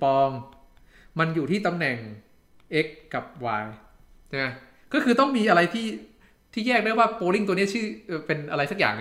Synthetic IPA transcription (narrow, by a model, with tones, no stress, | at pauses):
pɔː˧ŋ | ma˧njuː˨˩t̪ʰiː˥˩t̪a˧mnɛ˨˩ŋ | ʔe˦˥kːa˨˩p̚waː˧j | t͡ɕʰma˦˥ | kɔː˥˩kʰɯː˧t̪ɔ˥˩ŋmiː˧ʔa˧ɾa˧jt̪ʰiː˥˩ | t̪ʰiː˥˩jɛː˥˩k̚daː˥˩jwaː˥˩poː˧li˥˩ŋt̪u˧ni˦˥ɐt͡ɕʰɯː˥˩ʔɤː˨˩pe˧nʔa˧ɾa˧jsa˦˥k̚ja̰ː˨˩ŋ